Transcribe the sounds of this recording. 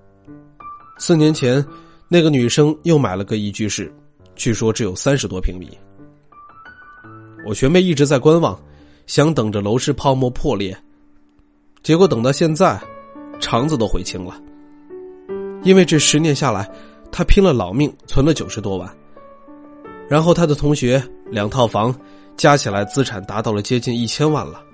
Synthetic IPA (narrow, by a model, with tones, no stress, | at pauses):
sɹ̩˥˩njɛ˧˥nt͡ɕʰjɛ˧˥n | na˥˩ɪɡə˩ny˨˩ʂɤ˥ŋjo˥˩ʊma˨˩ɪlə˦kɤ˥˧i˥˩t͡ɕy˥ʂɻ̩˥˩ | t͡ɕʰy˥˩ʂwɔ˥ʈ͡ʂɻ̩˧˥jo˨˩ʊsa˥nʂɻ̩˧˥t̪wɔ˥pʰi˧˥ŋpḭ˨˩˦ | wɔ˨˩ɕɥɛ˧˥npe˥˧ɪi˥˩ʈ͡ʂɻ̩˧˥t͡sa˥˩ɪkwa˥nwɑ˨˩˦ŋ | ɕjɑ˧˥ŋt̪ɤ˨˩ŋʈ͡ʂə˦lo˧˥ʊʂɻ̩˥˧pʰɑ˥˧ʊmwɔ˥˧pʰwɔ˥˧ljɛ˥˩ | t͡ɕjɛ˧˥kwɔ˧˥t̪ɤ˨˩ŋt̪ɑ˥˧ɕjɛ˥˧nt͡sa˥˩ɪʈ͡ʂʰɑ˧˥ŋt͡sɹ̩˧t̪o˥ʊxwe˧˥ɪt͡ɕʰi˥ŋlə˨ | i˥nwe˥˧ɪʈ͡ʂɤ˥˩ʂɻ̩˧˥njɛ˧˥nɕja˥˩la˧˥ɪ | t̪ʰa˥pʰi˥ŋlə˨lɑ˨˩ʊmi˥˩ŋt͡sʰwə˧˥nlə˧t͡ɕjo˨˩ʊʂɻ̩˧˥t̪wɔ˥wa̰˥˩n | ɻa˧˥nxo˥˩ʊt̪ʰa˥d̪ə˨t̪ʰʊ˧˥ŋɕɥɛ˧˥ljɑ˨˩ŋt̪ʰɑ˥˩ʊfɑ˧˥ŋ | t͡ɕja˥t͡ɕʰi˨˩la˧˥ɪt͡sɹ̩˥ʈ͡ʂʰa˨˩nt̪a˧˥t̪ɑ˥˩ʊlə˩t͡ɕjɛ˥t͡ɕi˥˧ni˥˩t͡ɕʰjɛ˥nwa̰˥˩nlə˩